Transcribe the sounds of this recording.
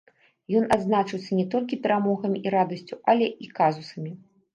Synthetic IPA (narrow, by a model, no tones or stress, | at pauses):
jɔnad̪znat͡ʂɨw̪sʲɐnʲɛt̪ɔlʲkʲipʲɛɾamɔɣɐmʲiiɾad̪ɐsʲt͡sʲuʔalʲɛʔikazusɐmʲi